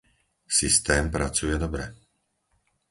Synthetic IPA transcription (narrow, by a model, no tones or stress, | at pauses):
sist̪ɛːmpɾat͡sujɛd̪ɔbɾɛ